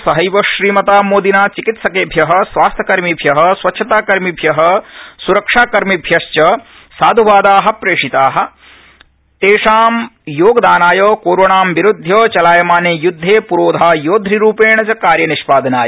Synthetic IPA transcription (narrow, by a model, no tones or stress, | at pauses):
sɐɦɐjʋɐʃɾiːmɐt̪aːmoːd̪inaːt͡ʃikit̪sɐkeːbʱjɐɦɐ̆sʋaːst̪ʰjɐkɐɾmibʱjɐɦɐ̆sʋɐtːʃʰɐt̪aːkɐɾmibʱjɐɦɐ̆suɾɐkʂaːkɐɾmibʱjɐʃt͡ʃɐ | saːd̪ʱuʋaːd̪aːɦɐ̆pɾeːʂit̪aːɦɐ̆ | t̪eːʂaːmjoːɡɐd̪aːnaːjɐːkoːɾoːɳaːmʋiɾud̪ʱːjɐːt͡ʃɐlaːjɐmaːneːjud̪ʱːeːpuɾoːd̪ʱaːjoːd̪ʱɾiɾuːpeːɳɐt͡ʃɐkaːɾjɐniʃpaːd̪ɐnaːjɐ